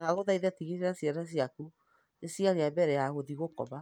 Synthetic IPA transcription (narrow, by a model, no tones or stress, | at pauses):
ɣaɣoðaiðɛtiɣeɾeɾasjaɾas̬jaku | esiaɾeabɛɾɛjaɣoðiɣokɔ̰βa